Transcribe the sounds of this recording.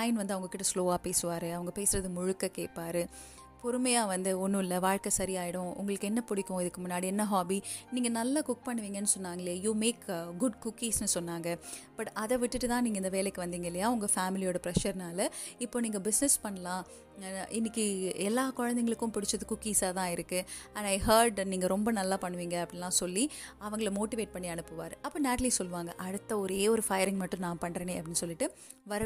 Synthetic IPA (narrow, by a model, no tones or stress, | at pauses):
lɐjɪnʋɐnd̪ɯɐʋɐŋɡɐkːɪʈːɐsloːaːpeːsɯʋaːɾɯɐʋɐŋɡɐpeːsɪɾɐðɯmʊɻʊkːɐkḛːʈ̚paːɾɯ | pɔɾɯmɐjaːʋɐnd̪ɯɔnːʊɪlːɐʋaːɻkɐsɐɾijaːjɪɽʊ̃ʊ̰ŋɡɐɭɯkːɯɛnːɐpʊɽɪkːʊ̃ɪðɯkːɯmʊnːaːɽiɛnːɐɦaːbiːniːŋɡɐnɐlːakʊk̚pɐɳːɯʋiːŋɡɐnːɯsɔnːaːŋɡɐɭjɐjuːmeːkɡʊɖkʊkːiːsnɯsɔnːaːŋɡɐb̥ɐʈɐðɛʋɪʈːɯʈːɯt̪ãːniːŋɡɐɪnd̪ɐʋeːlɛkːɯʋɐnd̪iːŋɡɐɪlːɐjaːɐʋʊŋɡɐfaːmɪlɪoːɽɐpɾɛʃɐɾnaːlɐɪpːoːniːŋɡɐbɪsnɛspɐɳːɐlãː | ʔɪnːɪkːiɛlːaːkɔɻɐnd̪ɛŋɡɐɭɯkːʊ̃mpɪɽɪt͡ʃːɐðɯkːʊkːiːsaːt̪ãːɪɾɯkːɯ | ɐ̃ɳɐɪɦɐːɾɖniːŋɡɐɾɔmbɐnɐlːaːpɐɳːɯʋiːŋɡɐːpːɐɽɪlãːsɔlːiɐʋɐŋɡɐɭmoːʈɪʋeːʈ̚pɐɳːiɐɳɯpːɯʋa̰ːɾɯʔɐpːoːnaːʈɐlisɔlːɯʋaːŋɡɐʔɐɽɯt̪ːɐɔɾeːɔɾɯfɐjɐɾɪŋɡmɐʈːʊ̃nãːpɐɳːɾeːneːɐpːɐɽɪnːɯsɔlːɪʈːɯ | ʋɐɾɐ